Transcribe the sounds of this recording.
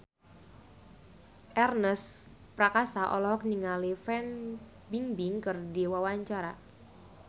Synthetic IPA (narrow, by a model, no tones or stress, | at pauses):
ʔɛrnəs | pɾakasaʔɔ̰lɔɦɔk̚niŋalifɛn | biŋbiŋkɨrdiwawaɲt͡ʃaɾa̰